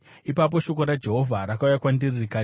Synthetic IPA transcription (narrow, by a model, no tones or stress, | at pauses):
ipap̬o̞ʃo̞ko̞ɾad͡ʒe̞ɦo̞vʱaɾakaujakwandiririkaː